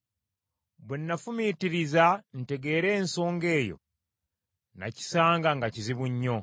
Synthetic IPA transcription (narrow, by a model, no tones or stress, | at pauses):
βwenːafumitiɾizan̩te̞ɡe̞ːɾe̞ːnso̞ːŋɡe̞ːjo̰ | na̰ci̥saːŋɡaŋɡaciziβuɲːo̞